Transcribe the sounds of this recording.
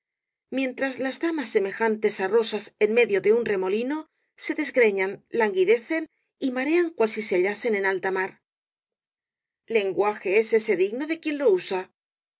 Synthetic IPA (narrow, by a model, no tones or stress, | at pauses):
mjẽ̞nt̪ɾazlazðamasːe̞me̞xant̪e̞saro̞sase̞nme̞ðjo̞ðe̞unre̞mo̞lino̞ | se̞ðe̞zɣɾe̞ɲanlaŋɡiðe̞θe̞n | imaɾe̞aŋkwalsise̞aʎase̞ne̞nalt̪amaɾ | le̞ŋɡwaxe̞e̞se̞se̞ðiɣno̞ðe̞kje̞nlo̞usa